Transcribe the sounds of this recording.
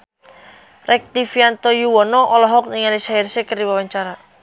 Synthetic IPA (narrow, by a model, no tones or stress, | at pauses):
rʔɛk̚t̪ifiant̪ɔjuwɔnɔʔɔlɔɦɔk̚niŋalisairsekərdiwawaɲt͡ʃaɾa